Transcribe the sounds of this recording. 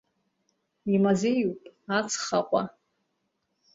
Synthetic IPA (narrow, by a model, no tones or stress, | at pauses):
imazejupʼat͡sʰχaqʷʼa